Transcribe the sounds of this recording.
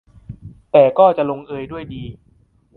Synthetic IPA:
t̪ɛː˨˩kɔː˥˩t͡ɕa˨˩ʔlo˧ŋʔɤː˧jdu˥˩əjdiː˧

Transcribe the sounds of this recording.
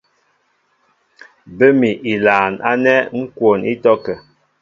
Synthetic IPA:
bə˦mi˨ʔi˨laː˨na̰˦nɛ˦ŋ̩˦kwo˨ni˦tɔ˦kə˨

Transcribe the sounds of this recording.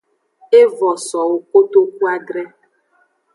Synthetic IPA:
e˦vɔ˨sɔ˨wo˦ko˦t̪o˦ku˦a˦ɖɾɛ˦

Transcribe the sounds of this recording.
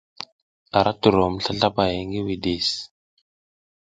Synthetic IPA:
a˨ɾʔa˦tu˨ɾo˨m˨ɬa˦ɬa˦ba˨ja˨ŋɡi˦wi˨di˨s

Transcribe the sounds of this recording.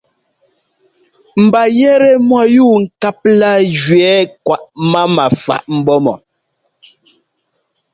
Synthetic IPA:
m̩˨ba˨jɛ˦ɾɛ˦mwa˨juː˦˨ŋ̩˨ka˦p̚la˦d͡ʒɥɛ˨˦kwa˨ʔma˦ma˨fa̰˨ʔm̩˦bɔ˦mɔ˨

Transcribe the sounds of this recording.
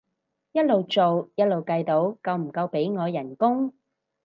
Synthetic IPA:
jɐ˥t̚lo˨˧wt͡ʃo˨wjɐ˥t̚lo˨wkɐ˧jt̪o˨˥wkɐ˧wm̩˨˩kɐ˧wpe˨˥jŋɔː˨˧jɐ˨˩nkʊ˥ŋ

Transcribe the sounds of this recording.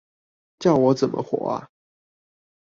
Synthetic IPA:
t͡ɕjɑ˥˩ʊwɔ˧˥t͡sə˨nmʔə̰˦xwɔ̰˨˩˦ɐ̰˦

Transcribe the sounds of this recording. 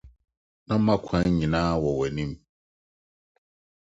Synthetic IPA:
nã˦mã˦kʷʰã˨˦ɲĩ˨nãː˦wɔ˨wɛ˨nĩ˦m

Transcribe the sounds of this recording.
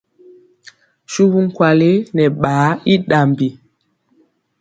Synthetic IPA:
ʃu˦bu˦ŋ̩˦kwa˨le˦nɛ˨ɓaː˨˦i˦ɗa˨mbi˨

